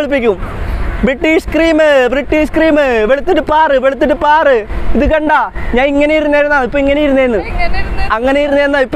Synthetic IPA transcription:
ɭup̬ːikʲːumbriʈːiːʂkriːmɨbriʈːiːʂkriːmɨʋeɭut̪ːɐʈːɨpaːrɨʋeɭut̪ːɐʈːɨpaːrɨiðɨkɐɳɖaːɲaːniŋːɐnejiɾunːeːɾunːaːipːoiŋːɐnejiɾunːeːɾnːɨ | ɐŋːɐnejiɾunːeɾunːaipː

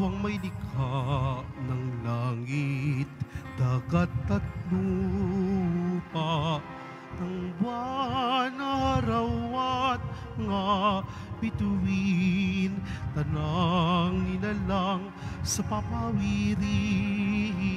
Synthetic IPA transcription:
wɐŋmɐjlikʰaʔnɐŋlaŋit̪̚d̪̥aɡɐt̪ːɐt̪lu | paʔ | nɐŋbwa | naɾɐːat̪̚ | ŋa | bid̪uwi | nt̪ɐnaŋninɐlaŋ | sɐpamawiɾi

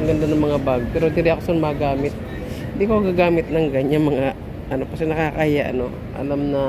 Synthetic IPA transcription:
ɡɐnd̪anɐŋmɐŋabaɡ̚pɛːɾod̪ɪdɪʔɐkosonmaɡaːmɪt̪̚ | hɪnd̪ikoɐɡaɡaːmɪt̪̚nɐŋɡɐɲaŋmɐŋa | ʔɐno̞kɐsɛnɐkakaːjaʔɐ̰no̞ | ʔɐ̰lamnɐ

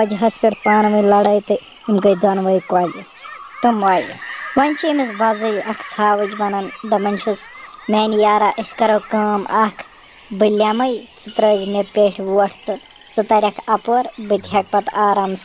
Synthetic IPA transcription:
ɐd͡ʒɦɐspʲiʈʰpaːnʋɐjlɐɽɐjt̪ɨ | imkɐjd̪ɐnʋɐjkwaːd͡ʒ | t̪ɨmʋaːj̰ʋɐnʲt͡ʃʰimisbɐzɨjɐkʰt͡sʰaːʋɐd͡ʒʋɐnɐnd̪ɐmɐnʲt͡ʃʰusmeːnijaːɾaːʔisʲkɐɾoːkɐːmʔɐkʰ | bɨlʲːjaːmɐjt͡sɨt̪ɾɐd͡ʒmepʲeːʈʰʋuɐʈʰt̪ɨ | t͡sɨt̪ɐɾʲɐkʰɐpoɾbɨd̪ʱjɐk̚pɐt̪aːɾaːms

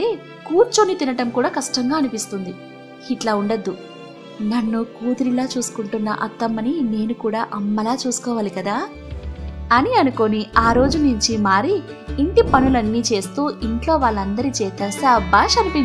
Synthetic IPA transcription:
eː | kuːɾt͡ʃonit̪inɐʈɐmkuːɽaːkɐʂʈɐŋɡaːɐnupist̪und̪i | iʈlaːuɳɖɐd̪ːu | nɐnːukuːd̪uɾilaːt͡ʃuːsu̥kuɳʈunːɐ̰ʔɐt̪ːɐmːɐnine̞ːnukuːɽaːʔɐmːɐlaːt͡ʃuːsu̥kɔːʋaːlikɐd̪aː | ɐniɐnuko̞niaːɾo̞ːd͡ʒunuɲt͡ʃimaːɾiː | ɳʈipɐnulɐnːiːt͡ʃe̞ːst̪uːʔiɳʈlo̞ːʋaːɭːɐnd̪ɐɾit͡ʃɛːt̪ɐsabaːʃɐnipit͡ʃ

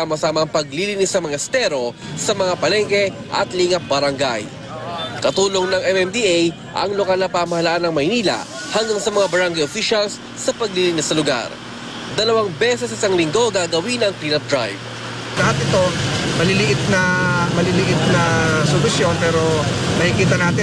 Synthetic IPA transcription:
amɐsaːmɐŋpɐɡlilinɪsːɐmɐŋɛst̪ɛɾo̞ | sɐmɐŋapɐlɛŋkɛ | ʔɐ̰t̪liŋɐbɐɾɐŋɡa̰j | kɐt̪uːlo̞ŋnɐŋɛmɛnd̪iej | ʔɐ̰ŋlokɐlnɐpaːmɐhɐlaʔanɐŋmɐjniːlɐ̰ | hɐŋɡaŋsɐmɐŋabɐɾaŋɡɐjʔofiʃɐlsːɐpɐɡ̚liliːnɪsːɐlʊɡa̰ɾ | d̪ɐlɐwaŋbɛːsɛs̬ʔɪsɐŋlɪŋɡo̞ɡaɡɐwinɐŋkɾiːnɐd̪ɾa̰jv | lɐhat̪ʔɪt̪o̞mɐlɪlɪʔɪt̪̚nɐmɐlilɪʔɪt̪̚nɐsʊlʊsjo̞npɛːɾo̞mɐhikiːt̪ɐnaːt̪ɪ

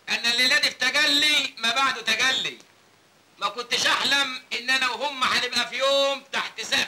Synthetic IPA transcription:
ʔænːælːelæːd̪ift̪æɡælːimabaʕd̪ut̪æɡælːi | mækʊnt̪ɪʃʔaħlæmʔɪnːʔænæwɦʊmːæħanɪbʔæfijoːmt̪aħt̪ɪsæː

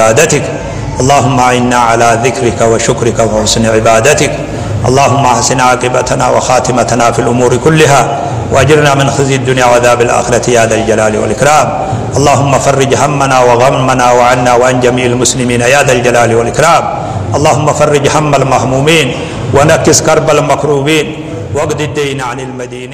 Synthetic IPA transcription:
aːd̪at̪ɪk | ʔɑlˤːɑːɦʊmːaʔaʕɪnːaːʕalaːðɪkɾɪkawaʃʊkɾɪkawaħʊsnʕɪbaːd̪at̪ɪk | ʔɑ̰lˤːaːhʊmːaʔaħsɪnʕaːkʼɪbat̪ana̰ːwa̰xaːt̪ɪmat̪anaːfiːlʔʊmuːɾɪkʊlːɪɦaː | wʔaʔad͡ʒɪɾnaːmɪnxɪzjad̪ːʊnjaːʕaðaːbɪlʔa̰ːxɪɾat̪ɪjaːd̪ald͡ʒalaːlɪwa̰lʔɪkɾaːm | ʔɑlˤːɑːɦʊmːafɑrˤːɪd͡ʒhamːanaːwaɣamːanaːwaʕanːaːwaʕand͡ʒamiːʔalmʊslɪmiːnajaːd̪ald͡ʒalaːlɪwalʔɪkɾaːm | ʔɑlˤːɑːhʊmːafɑrˤːɪd͡ʒhamːalmahmuːmiːn | wanakːɪskɑɾˤbalmakɾuːbiːn | waɡd̪ɪd̪ːijnaʕanɪlmad̪iːn

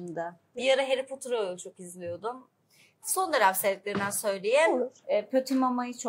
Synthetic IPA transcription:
md̪a | bijaɾaɦeɾipʰot̪ʰuɾoot͡ʃʰo̞kizlʲijo̞d̪ʊm | so̞nd̪eɾafset̪̚lʲeɾind̪ænsø̞jlʲejɛpʰøt̪ʰimamajɯt͡ʃʰo

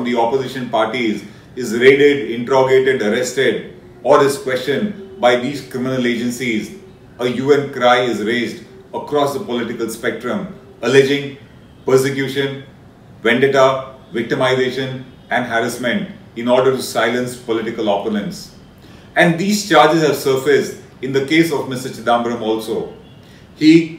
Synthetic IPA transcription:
fɔ̃md̪iɔpozɪʃə̃npaːɾʈiz | ɪzɾeːɖɪɖɪ̃ɳʈɾɔɡeːʈeɖəɾɛsʈeɖ | ɔːɾd̪ɪskwɛst͡ʃə̃nbaɪd̪iːzkɾɪmɪnəleːd͡ʒə̃nsiz | əjuːɛ̃nkɾaɪɪzɾeːzɖ | əkɾɔːsd̪əpɔlɪʈɪkəlspɛk̚ʈɾə̃m | əlɛd͡ʒɪ̃ŋ | pəɾsɪkjuːʃə̃n | ʋɛ̃ɳɖeʈa | ʋɪk̚ʈɪmaɪzeːʃə̃n | ɛ̃nɦæɾɪsmə̃ɳʈɪ̃nɔːɾɖəɾʈusaɪlə̃nspɔlɪʈɪkəlɔponə̃nʈs | ɛ̃nɖd̪iːzt͡ʃaːɾd͡ʒɪzhɛʋsəɾfesɖ | ɪ̃nd̪əkeːsɔʋmɪsʈət͡ʃɪd̪ãːmbəɾə̃mɔːlsoː | hiː

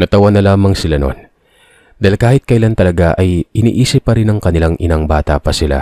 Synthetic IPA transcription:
nɐt̪ɐwɐnːɐlaːmɐŋsɪlano̞̰n | d̪aːilkaːhɪt̪̚kɐʔɪlant̪ɐlɐɡaʔɐjɪnḭːʔiːsɪpːɐɾɪnɐŋkɐnɪlaŋʔɪnaŋbaːt̪ɐ̰pɐsɪla̰

